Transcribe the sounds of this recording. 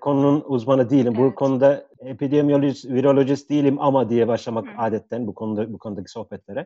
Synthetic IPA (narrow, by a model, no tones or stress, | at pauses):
kʰo̞nununuzmanɯd̪ijilʲimbukʰo̞nud̪aepid̪emijo̞lʲsviɾo̞lʲo̞ʒisd̪ijilʲimamad̪ijɛbaʃlˠamakaːd̪ɛt̪ʰːænbukʰonbukʰo̞nud̪acʰi̥so̞hbɛt̪lʲe̞ɾɛ